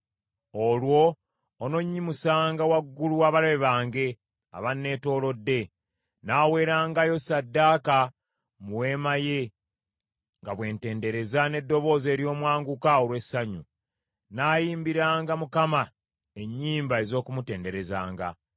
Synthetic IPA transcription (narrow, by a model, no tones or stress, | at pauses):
olwo̞ː | no̞ɲːimusaːŋɡawaɡːuluwaβalaβeβaːŋɡe̞ | a̰βanːe̞ːto̞ːlo̞dːe̞ | naːwe̞ːɾaːŋɡajo̞sadːaːka | muwe̞ːmaje̞ | ŋɡaβwe̞ːnte̞ːnde̞ɾe̞zane̞dːo̞βo̞ːze̞ːɾjo̞ːmwaːŋɡukaoɾwe̞saɲu | naːjiːmbiɾaːŋɡamukama | e̞ɲːiːmbae̞zo̞ːkumute̞ːnde̞ɾe̞za̰ːŋɡa̰